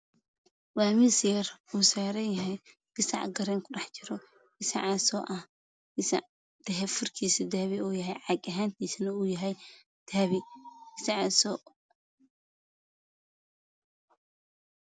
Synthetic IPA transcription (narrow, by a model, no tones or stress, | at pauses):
waːmɪsjɛruːsaːɾɛjɐɦɛj | ɡ̥ɪsɑ̰ʕɡɐɾɛːŋkʰʊɖɑħt͡ʃɪɾɔ | ɡɪsɐ̰ʕɑsɔːʔɐh | ɪs | d̪̥ɐɦɛfʊrkʰiːsɪd̪aːβɪuːjɐɦɛjʕɑɡɐɦaːnt̪ʰiːsnɐuːjɐɦɛj | d̪̥aːβɪ̥ɪsɑʕɑsɔː